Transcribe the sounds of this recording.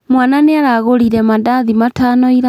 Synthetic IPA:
mwananeaɾaɣoɾiɾɛmadaðimatanɔiɾa

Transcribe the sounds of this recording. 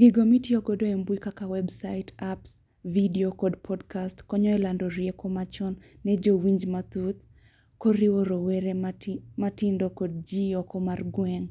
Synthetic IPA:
ɡɪɡomitiɔɡɔdoɛmbwikakawɛbsaɪtʰaps | vidiokɔdpʰɔdkastkɔɲɔɛlandɔɾjɛkɔmat͡ʃɔnːɛd͡ʒowiɲd͡ʒmat̪ut̪̚ | koɾiwoɾowɛɾematɪndɔkɔd̚d͡ʒiɔkɔmarɡwɛŋ

